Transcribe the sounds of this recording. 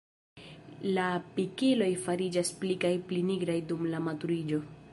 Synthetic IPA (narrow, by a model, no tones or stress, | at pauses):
lapikilo̞jfaɾid͡ʒasplikajpliniɡɾajdumlamatuɾid͡ʒo̞